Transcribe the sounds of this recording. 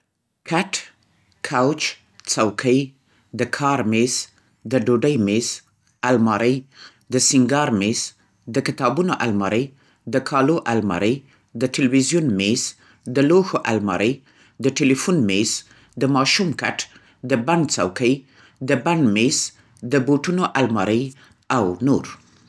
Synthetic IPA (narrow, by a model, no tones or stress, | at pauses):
kʰaʈ | kʰawt͡ʃ | t͡sawkʰəj | d̪əkʰɑɾmes | d̪əɖoɖəjmes | almɑɾəj | d̪əsɪŋɡɑɾmes | d̪əkɪt̪ɑbunoʔalmɑ̰ɾʔəj | d̪əkʰɑloʔalmɑ̰ɾəj | d̪əʈɪlwizjunmes | d̪əloxoʔalmɑ̰ɾʔəj | d̪əʈelifunmes | d̪əmɑʃumka̰ʈ | d̪əbant͡sa̰wkəj | d̪əbanmes | d̪əboʈunoʔalmɑɾəj | awnoɾ